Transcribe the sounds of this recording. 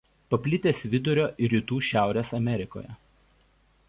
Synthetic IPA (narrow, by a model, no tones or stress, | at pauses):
pɐpʲlʲɪt̪ʲeːsʲʋʲɪd̪ʊɾʲoːʔɪɾʲiːt̪uːʃʲæˑʊɾʲeːsɐmʲɛɾʲɪko̰ːjɛ̰